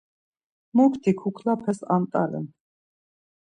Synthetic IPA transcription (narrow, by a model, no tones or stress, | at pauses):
mɔkʰt̪ʰikʰukʰlapʰɛsant̪ʼa̰ɾɛ̰n